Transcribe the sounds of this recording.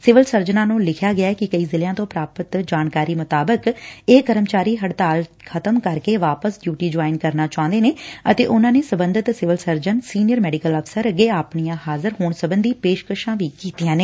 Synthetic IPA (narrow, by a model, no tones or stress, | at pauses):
sɪʋəlsəɾd͡ʒənãːnũːlɪkʰjaːɡɪjaːɛːkɪkəiːzɪljãːt̪õːpɾaːpət̪d͡ʒaːnkaːɾiːmʊt̪aːbəkeːkəɾəmt͡ʃaːɾiːɦəɽt̪aːl | kʰət̪əmkəɾkeːʋaːpəsɖjuːʈiːd͡ʒaːɪnkəɾnaːt͡ʃãːʊ̃nd̪eːneːət̪eːʔʊnãːneːsəbənd̪ɪt̪sɪʋəlsəɾd͡ʒənsiːnɪjəɾmɛːɖɪkələfʰsəɾəɡeːaːpɳijãːhaːzəɾɦoːɳsəbənd̪iːpeːʃkəʃãːʋiːkiːt̪ijãːneː